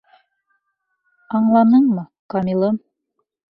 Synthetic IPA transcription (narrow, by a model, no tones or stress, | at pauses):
ɑɴlˠɑnɤɴmɤkɑmʲilˠɤm